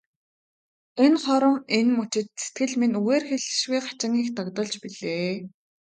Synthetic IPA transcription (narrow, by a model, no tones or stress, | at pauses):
enχɔɾɞ̆ŋenmut͡ɕɪ̆t̪̚se̥t̪̚ɡɘ̆ɮminuɣeːrxeɮ̆ʃɣujχḁt͡ɕɪ̆ŋɡiːxt̪aɣt̪ɞ̆ɮt͡ɕpiɮeː